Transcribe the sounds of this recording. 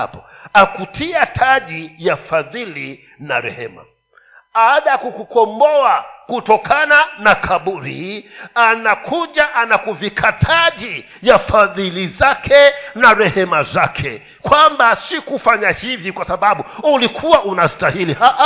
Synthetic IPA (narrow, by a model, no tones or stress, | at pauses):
a̰pɔakutʰiatʰaʄijafaðili | na̰ɾɛ̰hɛ̰ma̰ | ɓaːɗajakukukɔmbɔakutɔkʰananakʰaɓuɾḭanakʰuʄaʔanakuvikʰatʰaʄi | jafaðilizakʰɛnaɾɛhɛmazakʰɛ̰ | kwambasikufaɲahivikwasaɓaɓuulikʰuwaʔunastahilihaʔa